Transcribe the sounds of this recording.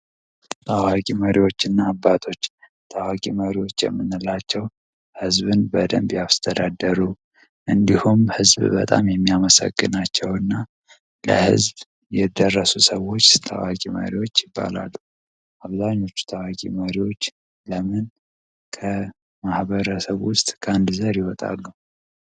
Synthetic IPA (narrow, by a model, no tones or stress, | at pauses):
t̪ʰawakʼiməɾiwo̞t͡ʃːɨnːaːbːat̪ʰo̞t͡ʃː | t̪ʰawakʼiməɾiwo̞t͡ʃːjɛ̰mːɨnːɨlːat͡ʃːɛw | hɨzbɨnbəd̪əmbjast̪ʰəd̪ad̪əɾu | ʔɨnd̪ihumhɨzbbə̰t̪ʼa̰mjɛmːiaməsə̰ɡːɨnat͡ʃːɛwɨnːa | lə̰hɨ̰zb | jɛd̪ərːəsusəwo̞t͡ʃːt̪ʰa̰wakʼimə̰ɾiwo̞t͡ʃːjɪbːa̰la̰lːu | ʔaβzaɲːo̞t͡ʃːu̥t̪ʰawakʼḭməɾiwo̞t͡ʃː | ləmɨn | kʰə | mahbəɾəsəβwʊst̪ʼkʰəand̪zəɾjiwɔt̪ʼa̰lːu